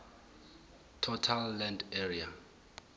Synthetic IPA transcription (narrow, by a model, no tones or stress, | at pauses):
tʰɔtʰalːɛ̃ndeɹia